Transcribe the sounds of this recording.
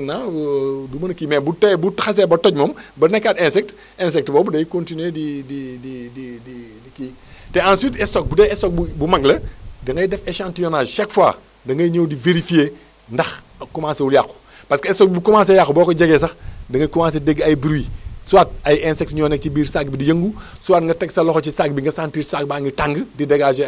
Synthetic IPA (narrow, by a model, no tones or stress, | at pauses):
nːadumɐnkimɛːbutɛbutxɐs̬ɛbɐtɔɟ̚mɔːmbɐnɛkːatɛ̃nsɛk̚t | ɛnsɛk̚tbɔːbudɐjkõntinuedidididididiki | tɛãnsiːtɛsɔk̚budɛɛsɔk̚bubumɐɡlɐdɐŋɡɐjdɛfeʃãːntijɔnaːʒʃakfwa̰ː | dɐŋɡɐjɲowdiveɾifie | ndɐx | kumãːnsewuljaxu̥ | paskesɔk̚bbukumãnsjaxbɔːkod͡ʒɐɡesɐxdɐŋɡɐkumãns̬edeɡɐjbiɾwisuwaːt̚ɐjɛnsɛk̚tɲɔnɛk̚t͡ʃibiːɾsak̚bidijɐŋɡu | suwaːtŋɡɐtɛksɐlɔxot͡ʃisak̚biŋɡɐsantiːsak̚baŋɡɐtaŋɡdideɡaːʃe